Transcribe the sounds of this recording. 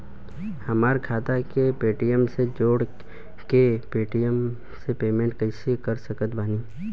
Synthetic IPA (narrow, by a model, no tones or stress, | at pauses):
hɐmaːɾkʰaːt̪akepeːʈijəmsed͡ʒoːɽ | kepeːʈijəm | sepeːmẽːɳʈ̚kəɪsikəɾsəkət̪baːniː